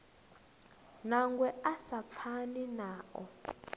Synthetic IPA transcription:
naŋɡwɛasap̪fʰaninaːɔ̰

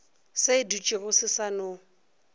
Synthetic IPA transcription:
seɪdut͡ʃʼiɣʊsɪsanʊ

